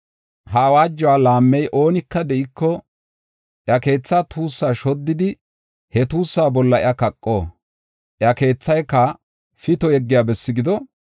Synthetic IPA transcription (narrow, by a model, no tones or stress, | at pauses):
hɐwaːd͡ʒːɔwaːlaːmːɛjʔo̞ːnɪkːɐd̪ɛʔɪkːɔ | ʔjɐke̞ːt͡sːaːt̪ʰuːsːaːʃɔd̪ːɪd̪ɪ | hɛt̪uːsːaːbɔlːɐɪ̰ɐkɐkʼːo̰ː | ʔjɐke̞ːt͡sːɐjkːɐ | fɪt̪ɔɛɡːɪjaːbɛsːɪɡɪd̪ɔ